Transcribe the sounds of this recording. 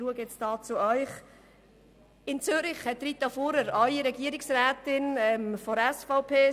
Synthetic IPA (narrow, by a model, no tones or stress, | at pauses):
ɾuəɡjɛt͡sdɑːt͡sʊœʏχ | ɪnt͡sʏɾɪχhɛt̪ːɾit̪ɑfuɾəɾɑliɾɛɡiəɾɪksɾæːtɪnɛmfɔɾɛsfaʊpʰeː